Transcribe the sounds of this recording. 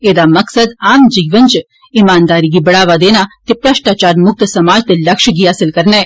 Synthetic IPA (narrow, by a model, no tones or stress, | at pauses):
eːd̪aːmɐksɐd̪aːmd͡ʒiːʋɐnt͡ʃ | imaːnd̪aːɾiɡibɐɽaːʋaːd̪eːnaːt̪ipɾaːʂʈaːt͡ʃaːɾmʊk̚t̪ɐsɐmaːd͡ʒt̪ɐllɐkʃɐɡiaːsilkɐɾneː